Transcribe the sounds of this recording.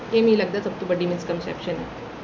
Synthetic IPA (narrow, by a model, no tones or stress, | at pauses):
jemiːləɡ̚d̪at͡səp̚t̪ubəɖʱːiːmiskənsɛ̰pɕəne